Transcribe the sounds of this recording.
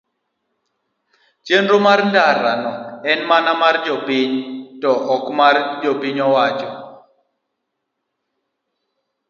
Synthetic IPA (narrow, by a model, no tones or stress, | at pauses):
t͡ʃenɾomarndaɾanɔɛnmanamard͡ʒɔpiɲtɔʔɔkmard͡ʒɔpiɲɔwat͡ʃɔ